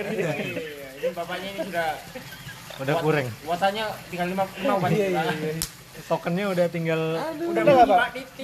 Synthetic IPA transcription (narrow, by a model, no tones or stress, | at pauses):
danbapaɲainisuda | udahkuɾɛŋwasaɲat̪iŋɡallimaimaupajaa | sokənɲaudaht̪iŋɡaludaaadit̪